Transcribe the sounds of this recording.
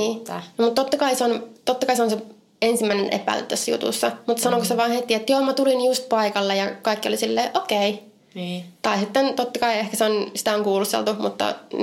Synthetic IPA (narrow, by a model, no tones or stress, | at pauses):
iːnmut̪t̪ot̪ːɑkɑiseont̪ot̪ːɑkɑiseonse | ensimːæinenʔḛpˑæ̰ḭlːḛt̪ːøsːæjṵt̪ṵsːɑmut̪ːsɑnokoseʋɑːnhet̪iet̪ːjoːmːɑt̪ulinijust̪̚pɑikɑlːejɑkɑikːio̰lisilːeːʔokei | t̪ɑisit̪ːent̪ot̪ːɑkɑiehkæseonsi̥t̪æoŋkuːlust̪ḛlt̪umut̪ːɑ̰